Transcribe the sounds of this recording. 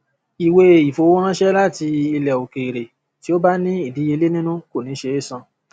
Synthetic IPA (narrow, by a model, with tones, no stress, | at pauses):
i˨we˧i˨fo˧˦o˦ã˦ʃɛ˦la˦˨ti˧i˧lɛ˨o˨ke˨ɾe˨ | ti˦o˦ba˦nĩ˦i˦˨di˨˦je˧le˦nĩ˦nũ˦ko˦˨nĩ˨˦ʃe˧˦e˦˨sã˧